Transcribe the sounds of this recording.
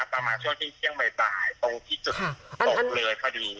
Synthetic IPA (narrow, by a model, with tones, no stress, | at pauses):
a˦˥pːɾa˧maː˧nt͡ɕʰu˥˩əŋt̪ʰiː˥˩t̪ʰi˥˩əŋba˧jpaː˨˩˦jt̪o˧ŋt̪ʰiː˥˩su˨˩t̪̚o˨˩k̚lɤː˧jkʰa˧diː˧